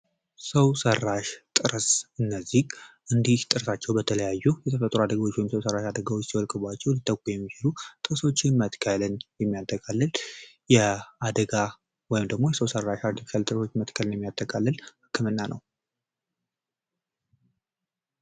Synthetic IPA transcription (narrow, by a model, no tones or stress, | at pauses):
səwsərːaʃt̪ʼɨɾsʔɨnːəzːiɡʔɨnd̪iht̪ʼɨɾsat͡ʃːɛwbət̪ʰələjajːujɛt̪ʰəfət̪ʼːɾuad̪əɡawo̞t͡ʃːwɔjɪmsəwsərːaʃad̪əɡawot͡ʃːsiwɔlkʼɨbat͡ʃːɛwlit̪ʼːəkʷʼːujɛmːit͡ʃɪlut̪ʼɨɾsot͡ʃːɪnmət̪kʰəlɨnjɛmːijat̪ʰːəkʼalːəl | jɛad̪əɡa | wɔjɪmd̪əɡmo̞jɛsəwsərːaʃaɾt̪ʰifi̥ʃalt̪ʼɨɾso̞t͡ʃːmət̪kʰəlɨnjɛmːijat̪ʰːəkʼalːəlhɨkʰːɨmɨnːanʔəw